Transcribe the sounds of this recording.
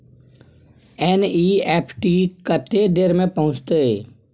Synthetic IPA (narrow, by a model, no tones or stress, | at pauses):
ɛːniːɛːpʰʈikət̪ed̪eːɾmẽpɐɦʊ̃t͡ʃt̪eeː